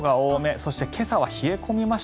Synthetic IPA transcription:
ɡaoːme̞so̞ɕi̥t̪e̞kʰe̞saβaçie̞ko̞mʲimaɕ

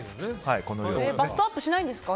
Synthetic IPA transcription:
haikonojoebasɨ̥t̪aːt̪oɕinaĩd̪esɨ̥ka

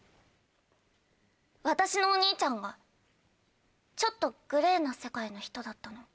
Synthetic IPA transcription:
β̞at̪aɕino̞ːɲ̟iːt͡ɕãŋɡa | t͡ɕo̞t̪ːo̞ɡ̥ɯ̟ɾe̞ːnase̞kaino̞çi̥t̪o̞d̪at̪ːano̞

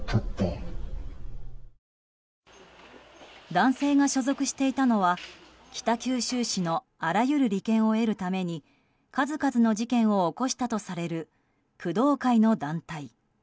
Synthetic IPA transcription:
t̪ʰot̪ːe | d̪ãɰ̃se̞ːɡaɕo̞zo̞kɯ̟ɕi̥t̪e̞it̪ano̞β̞a | kʲi̥t̪akʲɨːɕɨːɕino̞ | aɾajɯ̟ɾɯ̟ɾʲikẽ̞ɰ̃o̞e̞ɾɯ̟t̪ame̞ɲ̟i | kazɨkazɨno̞ʑikẽ̞ɰ̃o̞ːko̞ɕi̥t̪at̪o̞saɾe̞ɾɯ̟ | kɯ̟d̪o̞ːkaino̞d̪ãnt̪ai

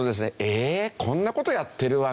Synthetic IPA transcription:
od̪e̞s̬ɨneʔekʰõ̞nːako̞t̪o̞jat̪ːe̞ɾɯ̟βa

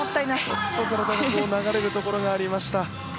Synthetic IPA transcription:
ot̪ːainaso̥t̪ːokɯɾat̪aɡmoːnaɡaɾe̞ɾɯ̟t̪o̞ko̞ɾo̞ɡaːɾʲimaɕi̥t̪a

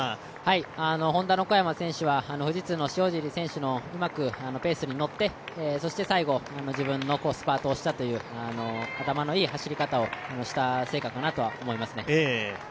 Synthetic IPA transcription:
haiano̞ɦõ̞nd̪ano̞ko̞jamasẽ̞ɰ̃ɕɨβaano̞ɸɯ̟ʑit͡sɨno̞ɕio̞ːʑiɾʲisẽ̞ɰ̃ɕɨno̞ɯ̟makɯ̟ano̞pe̞ːsɨɲ̟ino̞t̪ːe̞eso̞ɕi̥t̪e̞saiɡo̞ano̞ʑibɯ̟̃nːo̞ko̞ːsɨ̥paːt̪o̞ːɕi̥t̪at̪o̞jɯ̟ːano̞at̪amano̞iːhaɕiɾʲikat̪ao̞ano̞ɕi̥t̪ase̞ːkakanat̪o̞βaomo̞imasɨne̞e

